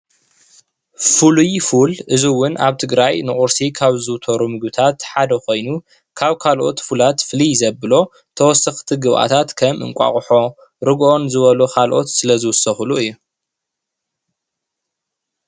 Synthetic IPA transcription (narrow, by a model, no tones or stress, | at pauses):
fulujfulʔɨziwʊnʔaβt̪ʰɨɡɾajnɨχʼʊɾsikʰaβzɨwt̪ʰoɾumɨɡbɨt̪ʰat̪ħad̪ɐkʰo̞jnu | kʰaβkʰalʔo̞̰t̪fulat̪fɨlijzɐbɨlo̞ | t̪ʰɐwɔsɐxt̪ʰiɡɨβʔa̰t̪ʰat̪kʰɐmʔɨ̰ŋkʷʼa̰χʼħo̞ | ɾɨɡʔo̞nzɨβɐlukʰalʔo̞̰t̪sɨlɐzɨwʊsɐxɨluɨjːu